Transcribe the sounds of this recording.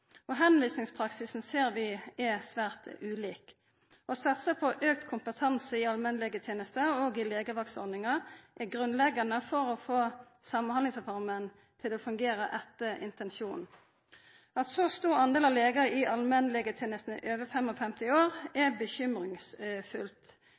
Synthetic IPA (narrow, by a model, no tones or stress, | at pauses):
ɔɦɛnʋiːsnɪŋspʰʁɑksɪsn̩seːʁʋɪɛsʋæːʁt̪ʉːliːk | ɔsɑt̪səpʰɔʔøːk̚t̪kʰʊmpət̪ʰɑnsəɪɑlmɛnlɛɡət̪ʰjeːnəst̪əɔɡɪleːɡəʋɑksɔ̰ɾd̪ɪŋɑʔɛɡʁʉnlɛɡɑnəfɔʁɔfoː | sɑmɑnhɑnɪŋsɛfɑʁmən | t̪ʰɪlɔfʉŋɡeːʁəʔɛt̪ːəɪ̰nt̪ɛnʃuːn | ɑt̪sɔst̪uːʁɑnd̪eːlɑʋleːɡəɪʔɑlmɛnlɛɡət̪ʰjeːnəst̪n̩əʔøːʋəfɛmɔfɛmt̪ɪoːɾɛbəçʏmʁɪŋsfʉlt̪